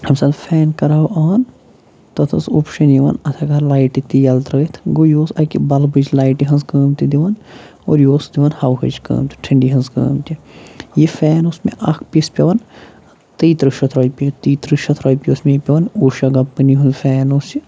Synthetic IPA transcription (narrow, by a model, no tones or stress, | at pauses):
ɐmsɐd̪fʰɛːnkɐɾaʔaːn | t̪ɐt̪ʰɐsopʃɐnjiʋɐ̰nɐt̪ʰɐkɐlaːjʈit̪ijɐlt̪ɾɐt̪ʰɡojoːsɐkibɐlbɨt͡ʃlaːjʈiɦɐnzkəːmt̪id̪iʋɐn | oːɾjoːsd̪iʋɐnhɐwɦɐ̰t͡ʃkə̰ːmt̪i̥ʈʰiɳɖiɦɐnzkə̰ːmt̪ʲijifɛːnosmeʔɐkʰpʲispʲɐʋɐn | t̪iːt̪ɾɨʃɐt̪ʰɾoːjpit̪iːt̪ɾɨʃɐt̪ʰɾoːjpiosmejipʲɐʋɐnoːʃɐɡɐpːɨniɦunzfɛːnoːst͡ʃi